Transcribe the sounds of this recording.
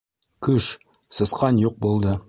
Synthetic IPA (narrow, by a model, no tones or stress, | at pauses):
kɵʃ | sɤ̆sqɑnjuq̚bulˠd̪ɤ